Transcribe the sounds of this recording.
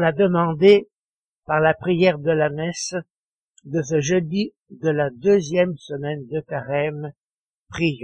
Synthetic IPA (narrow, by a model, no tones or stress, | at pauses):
lad̪əmɑ̃d̪e | paʁlapχijɛʁd̪əlamɛs | d̪əs̬əʒəd̪i | d̪əlad̪øzjɛmsəmɛnd̪əkaʁɛm | pχij